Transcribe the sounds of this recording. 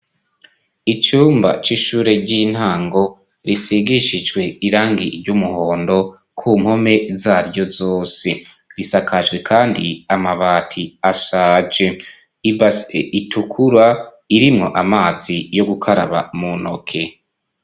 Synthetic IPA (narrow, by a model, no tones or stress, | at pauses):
it͡ʃuːmba̰t͡ʃiʃuːɾe̞ɟin̥haːŋɡo̞ | ɾisiɡiʃid͡ʒɡwe̞iɾaːŋɡiɾɟumuho̞ːndo̞ | kʰuːmho̞me̞zaːɾɟo̞zoːse̞ | ɾisakʰaʒɡwe̞kʰaːndiamaβaːtʰiaʃaːd͡ʒe | ibaseitʰukʰuɾa | iɾimŋo̞ʔamaːz̥ijo̞ɡukʰaɾa̰βa̰munokʰe̞